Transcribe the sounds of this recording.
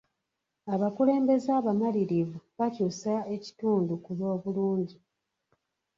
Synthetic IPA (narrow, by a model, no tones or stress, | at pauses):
aβakule̞ːmbe̞zaːβamaliɾivuβacusae̞ci̥tuːndukuβo̞ːβuluːɲɟi